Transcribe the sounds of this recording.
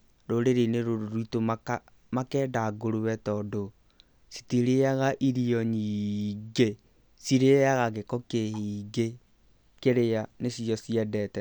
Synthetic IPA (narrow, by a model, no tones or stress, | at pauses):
ɾoɾeɾeneɾoɾoɾuitomaa | makɛːdaɡoɾuwɛtɔdo | si̥tiɾeaɣaʔiɾiɔɲiɡe | siɾeaɣaɣekɔkehiːɡe | keɾeanesiɔsiɛdɛtɛ